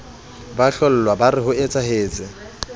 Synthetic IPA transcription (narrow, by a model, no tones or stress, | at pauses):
baɬɔl̩lwabarɪɦʊet͡sʼaɦeːt͡sʼɪ